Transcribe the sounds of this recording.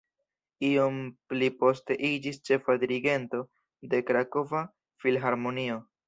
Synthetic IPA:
io̞mplipo̞ste̞ʔid͡ʒist͡ʃe̞fadiɾiɡe̞nto̞ | de̞kɾako̞va | filɦaɾmo̞nio̞

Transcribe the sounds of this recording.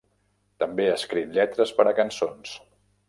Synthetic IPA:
t̪əmbeəskɾit̪ʎɛt̪ɾəspəɾəkənsons

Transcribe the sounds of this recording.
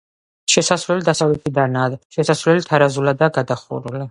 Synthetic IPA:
ʃɛsasvɾlɛlid̪asavlɛt̪ʰid̪anaːd̪ʃɛsasvɾlɛlit̪ʰaɾazulad̪aːɡad̪aχṵɾuli

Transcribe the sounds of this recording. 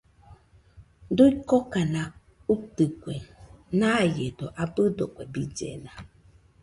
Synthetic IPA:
doikɔkanã | utəkʷɛnajedɔʔabədɔkʷɛbid͡ʒɛ̰nã

